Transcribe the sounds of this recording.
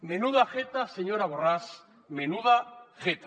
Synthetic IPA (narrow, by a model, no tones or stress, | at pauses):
menuðaxet̪aseɲoɾaβ̞oras | menuðaxet̪a